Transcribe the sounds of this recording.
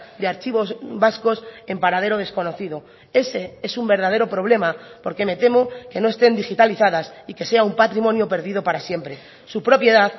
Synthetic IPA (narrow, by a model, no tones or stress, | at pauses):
d̪eaɾt͡ʃiβo̞zβasko̞se̞mpaɾaðe̞ɾo̞ð̞e̞sko̞no̞θiðo̞ | e̞se̞e̞sumbe̞ɾð̞að̞e̞ɾopɾo̞βle̞mapo̞ɾke̞me̞t̪e̞mo̞ke̞no̞e̞st̪e̞nd̪ixit̪aliθaðasike̞se̞aumpat̪ɾimonjo̞pe̞ɾð̞ið̞o̞paɾasje̞mpɾe̞ | supɾo̞pje̞ðað